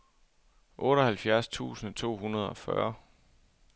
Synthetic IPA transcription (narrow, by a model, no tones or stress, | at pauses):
ʔɔ̽ːɾɒhælfjæɐst͡sʰṵːsn̩t͡sʰo̝̰ːɦunɐð̞ˠɒ̽fɶ̰ɐ